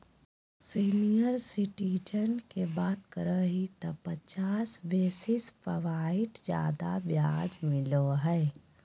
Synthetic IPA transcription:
siːnijəɾsɪʈiːd͡ʒənkebaːt̪kəɾəɦit̪ɔpət͡ʃaːsʋeːsɪspəʋaːɪʈd͡ʒja̰ːd̪a̰ʋjaːd͡ʒmɪloɦɛː

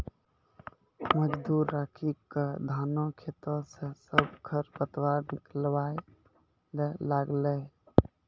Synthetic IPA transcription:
məd͡ʒd̪uɾːakʰikəd̪ʱanokʰet̪əsẽsəbkʰəɾpət̪waɾniklbaj | lelaɡlɛ

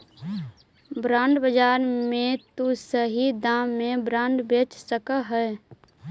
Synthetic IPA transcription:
bɾãːɳɖbəd͡ʒaːɾmẽt̪usəɦid̪ãːmːẽbɾãːɳɖbeːt͡ʃsəkaɦɛ

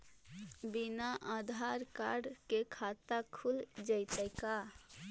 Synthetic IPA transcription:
binaʔad̪ʱaɾkaɾɖkekʰat̪akʰuld͡ʒəjt̪əɪka

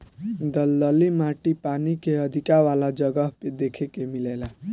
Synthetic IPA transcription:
d̪ʌld̪ʌlimaʈipanikeʌd̪ʱikawalad͡ʒʌɡʌɦped̪ekʰekemilela

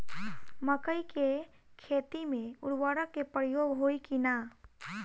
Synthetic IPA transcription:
məkəikekʰeːt̪imẽʊɽwaːɽəkːepəɾjoːɡɦoːikina

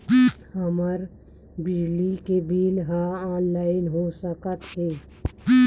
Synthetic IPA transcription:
həməɾ | bid͡ʒlikebʱiːlɦãaːnlaːɪnɦosəkət̪ɦe

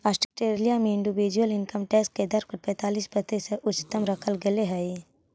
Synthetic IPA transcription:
aːsʈəsʈeːɾlijamẽɪ̃ɳɖɪʋiːd͡ʒuəlɪnkəmʈɛːsʈked̪ɐɾkəpɛ̃ːt̪aːliːsbət̪eseʔʊt͡ʃɪ̥t̪əmɾəkʰəlɡeleɦɛe

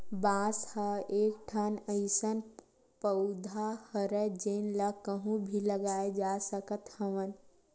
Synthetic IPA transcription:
bãːshaeːkʈʰaːnəɪsən | pəʊd̪ʱahəɾəd͡ʒeːnlakəɦũbʱiləɡaːed͡ʒaːsəkət̪həʋən

